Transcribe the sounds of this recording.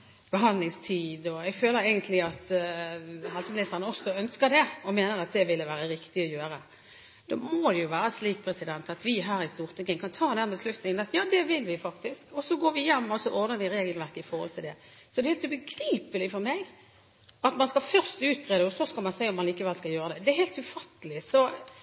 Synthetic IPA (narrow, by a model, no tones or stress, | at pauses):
b̥əɦɑnlɪŋst̪ʰiːd̪ɔɛɡføːləɾɛɪɡənt̪lɪɑt̪ | ɦɑlsəmlɪst̪əɾənəɔsɔœnskəɾd̪ɛɔmeːnəɾɑt̪̚d̪ɛʋɪlːəʋæːɾəɾɪkt̪ɪɔjøːɾə | d̪̥ɔmɔd̪ɛjʊʋæːɾəsliːk̚pʰɾɛsɪd̪ɛnt̪ɑt̪ʋɪɦæːɾɪst̪uːʁt̪ʰɪŋːənkɑnt̪ʰɑːd̪ɛnbəslʉt̪nɪŋənɑt̪jɑːd̪ɛʋɪlʋɪfɑkt̪ɪskɔsɔɡoːɾʋɪjɛmːɔsɔʔɔɾd̪əɾʋɪɾeːɡəlʋæɾkəɪfɔɾhɔ̰lt̪ʰɪld̪ɛ | sɔd̪ɛhɛːlt̪ʉbəɡɾiːpəlɪfɔɾmeɡ | ɑt̪mɑnskɑfœʁst̪ʉːt̪ʰːɾeːd̪əɔsɔskɑlmɑnsɛɪɔmːɑnliːkəʋɛlskɑljøːɾəd̪ɛd̪ɛæheːlt̪ʉfɑt̪ːəlɪsɔ